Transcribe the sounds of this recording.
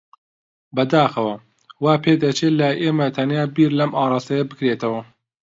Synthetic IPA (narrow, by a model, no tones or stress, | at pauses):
bɐd̪aːxɐwɐ | waːpʰeːd̪ɐt͡ʃelɐʔeːmɐt̪ʰɐnjaːbiːɾlɐmɑːɾˤɑːst̪ɐjɐbɨkɾet̪ɐwɐ